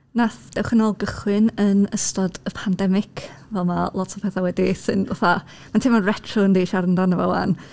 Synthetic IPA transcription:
naθd̥ɛwχənɔlˠɡəχwɨnənəstɔdəpʰandɛmɪkʰvɛlˠmalˠɔtʰɔpʰɛθawɛdisɨna̰θa | mantʰɪmɔnrɛtʰrɔəndiʃaɾəndanəvɔ̰wa̰n

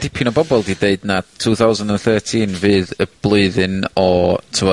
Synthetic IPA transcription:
d̥ɪpʰjʊnɔbɔbɔlˠdideɨdnatʰuːθawzəndənθəːtʰiːnvɨːðəb̥lˠoɨðɨnɔtʰuwɔ

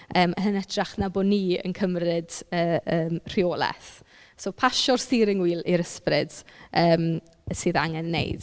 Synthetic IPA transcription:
əːməhənədraχnaboːniːə̰nkʰəmrɪdəːəːmr̥ioːlˠɛ̰θ | soːpʰaʃɔrstiɾɪŋwiːlˠiɾəsprɪd̥əːm | əsɨːðaŋɛnːḛjd̥

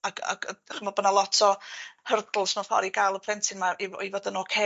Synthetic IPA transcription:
aɡa̰ɡ̰aχəmvɔbənalˠɔtʰɔhərdl̩ˠsmafɔ̰ɾiɡajlˠəpʰrɛntʰɪnmaʔivɔivɔdənɔkʰe

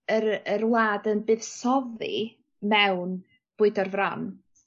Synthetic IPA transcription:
əɾərwˠaːdənbɨːðsɔðḭ | mɛwn | b̥ʊɨdɔrvran

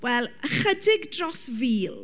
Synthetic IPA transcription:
wɛlˠəχədɪɡdrɔsviːlˠ

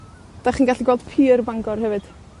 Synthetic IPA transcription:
d̥aχiːnɡaɬiɡwɛlˠd̥pʰiːrbaŋɡɔrɦɛvɨd̥

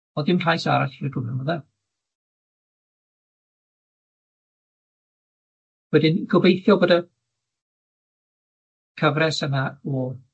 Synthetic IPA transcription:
ɔðɪmrʰaːjsaɾaɬirəɡʊnɔnmɔðɛ | wɛdɪnɡ̥ɔbejθjɔboːda | kʰəvrɛsənaɔ

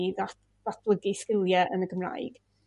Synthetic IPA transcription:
ðat | ðat̚ʰləɡiskɪlˠjɛʔə̰nəɡəmra̰jɡ̥

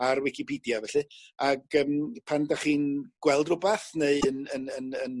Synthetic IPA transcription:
arwɪkʰipʰidjavɛɬɨaɡəːmpʰandaχiːnɡ̥wɛlˠdrʊbaθneɨənənənən

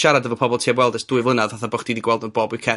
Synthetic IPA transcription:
ʃaɾadəvɔpʰɔbɔlˠtʰeːbwɛlˠdəsd̥ʊːɨvlənaðvaθabɔχd̥idiɡwɛlˠdnɔboːbɨkʰɛ

